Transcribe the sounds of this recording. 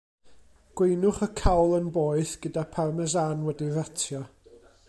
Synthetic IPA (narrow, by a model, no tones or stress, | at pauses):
ɡ̥wejnʊχəkʰawlˠənboːɨθɡ̥ədapʰarmɛzanwɛdiratʰjɔ